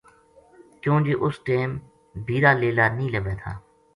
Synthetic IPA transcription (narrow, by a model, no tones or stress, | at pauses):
kjõːd͡ʒeːʔʊsʈeːm | bʱiːɾaːleːlaːnĩːləʋeːt̪ʰa̰ː